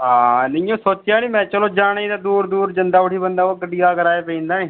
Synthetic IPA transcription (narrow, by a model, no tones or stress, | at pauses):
ɦaːnəiõːsoːt͡ʃːjãːniːmɛ̃ːt͡ʃəloːd͡ʒaːɳĩːd̪aːd̪uːɾd̪uːɾd͡ʒənd̪aːʊʈʰiːbənd̪aːokəɖiːaːkəɾaːeːpɛĩːnd̪aːnĩː